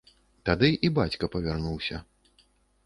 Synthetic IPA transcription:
t̪ad̪ɨʔibat͡sʲkɐpɐvʲarnuwsʲɐ̰

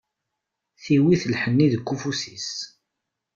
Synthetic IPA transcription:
θiwiθəlħənːiðəkʷːufusis

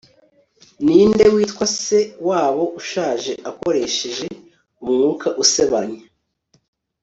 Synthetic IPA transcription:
niːnde̞wiːtkwase̞waːβo̞ʔuʃaːʒe̞ʔako̞ɾe̞ʃe̞ʒe̞ | umŋuːkʰaʔuse̞βaɲe

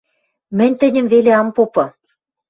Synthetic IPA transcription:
mɘ̆nʲt̪ɘ̆nʲɘ̆mveleɑmpopɤ̆

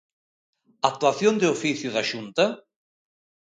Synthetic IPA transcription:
at̪ːuaθjond̪eufiθjuðaʃunt̪a

